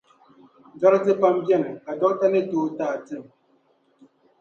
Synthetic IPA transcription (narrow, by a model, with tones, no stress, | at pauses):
d͡ʒa˦ɾtɨ˦pa˦m˦bjɛ˦˨m˨ka˨dɔ˦ta˦nɨ˦toː˦taː˦˨tɨ˦˨m